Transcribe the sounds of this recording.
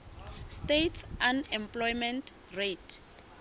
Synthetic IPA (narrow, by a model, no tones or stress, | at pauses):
stetsanɛmpʼlɔjmɛ̃ntʰ | retʰ